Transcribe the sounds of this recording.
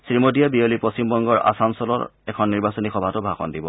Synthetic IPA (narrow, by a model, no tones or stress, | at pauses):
sɹimodijabiolipɹost͡ɕimbɔŋɡɔɹa̰samsɔlɔ̰ɹɛkʰɔnːiɹbasonixɔbʱatʊbʱaxɔ̰ndibɔ̰